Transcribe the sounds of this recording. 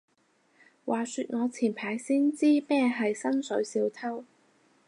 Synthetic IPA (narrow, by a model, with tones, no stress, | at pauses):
wʔaː˨˩syː˧t̚ŋɔː˨˧t͡sʰiː˨˩npʰaː˨˥jsiː˥nt͡siː˥mɛː˥ɦɐ˨jsɐ˥nsɵ˨˥ɥsiː˧wt̪ʰɐ˥w